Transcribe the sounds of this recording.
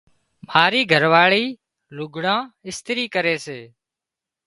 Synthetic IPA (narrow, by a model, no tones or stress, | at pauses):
maːɾiːɡʱəɾʋaːɭiː | lʊɡʱɽãːɪst̪ɾiːkəɾeːseː